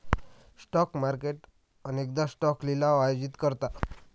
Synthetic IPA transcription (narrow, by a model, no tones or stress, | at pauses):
sʈɔkmaɾkeʈ | ənek̚d̪asʈɔklilaajod͡ʑit̪kəɾt̪a